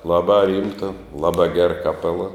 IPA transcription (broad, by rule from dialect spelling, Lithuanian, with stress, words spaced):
ˈlˠɑːbɑː ˈrʲiːmtɐ ˈlˠɑːbɑː ɡʲɛr kɐˈpʲæːlˠɐ